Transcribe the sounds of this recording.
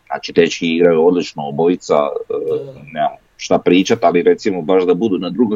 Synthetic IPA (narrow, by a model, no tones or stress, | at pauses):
na̰ːt͡ʃit̪et͡ʃkiiɡɾajuod̪lit͡ʃnooboit̪sa̰ | nea | ʃt̪apɾiːt͡ʃat̪aliɾe̞t̪simobaʃd̪abud̪unad̪ɾuɡo